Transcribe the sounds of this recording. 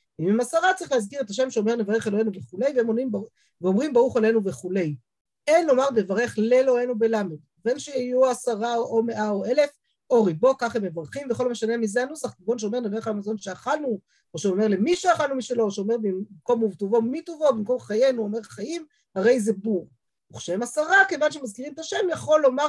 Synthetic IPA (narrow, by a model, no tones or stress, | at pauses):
imimasaʁat͡saʁiχleazkiʁe̞taʃ̬e̞mʃeome̞ʁnevaʁeχeloe̞nuveχule̞jveemonimb | veomʁimbaʁuχele̞nuveχule̞j | e̞nlo̞maʁne̞vaʁeχlelo̞enube̞lamed | venʃeijuasaʁaoʔome̞ʔaoe̞le̞f | ʔo̞ʁibo̞kaχemːevaʁχimveχo̞lomeʃane̞mizeanusaχizbo̞nʃ̬eomenaveχalmazo̞nʃeaχalnu | oʃeome̞ʁlemiʃeaχalnumiʃelo̞ʃeome̞ʁbimko̞muvt̪ovo̞mit̪ovo̞bimko̞mχaje̞nuome̞ʁχajim | haʁe̞jze̞buʁ | uχʃeemasaʁake̞vanʃ̬emazkiʁimt̪aʃe̞mjaχo̞lːo̞ma